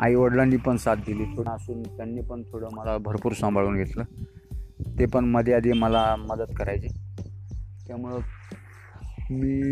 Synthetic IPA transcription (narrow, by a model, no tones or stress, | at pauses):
a̰iʋəɽlanːiːpəɳsat̪̚d̪iliːt̪ʰoəsuːnt̪janːiːpəɳt̪ʰoɽəməlabʱəɾpuːɾsə̃mbʱaɭuːnɡʱet̪ləː | t̪epəɳməd̪ʱjead̪ʱiməlaməd̪əd̪kəɾajt͡se | t̪jamuɭe | miː